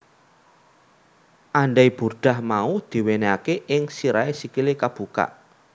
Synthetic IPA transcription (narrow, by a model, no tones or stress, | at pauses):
ʔaɳɖajb̥ṳrɖ̥a̤hmaud̪̥i̤weneakeʔɪŋsiɾaesikilekab̥ṳka̰ʔ